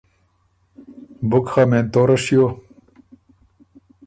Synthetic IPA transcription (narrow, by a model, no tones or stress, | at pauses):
bʊkxament̪oːɾɐɕjo